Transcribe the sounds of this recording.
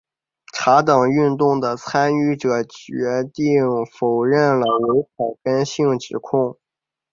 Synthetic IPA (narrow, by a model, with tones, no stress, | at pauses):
ʈ͡ʂʰa˧˥t̪ɑ˨˩ŋy˥˧nt̪ʊ˥˩ŋd̪ə˩t͡sʰa˥ny˥˩ʈ͡ʂɤ˨˩t͡ɕɥɛ˧˥t̪i˥˩ŋfo˨˩ʊɻə˥˩nlə˩we˧˥ɪxa˨˩ɪkə˥nɕi˥˩ŋʈ͡ʂɻ̩˨˩kʰʊ˥˩ŋ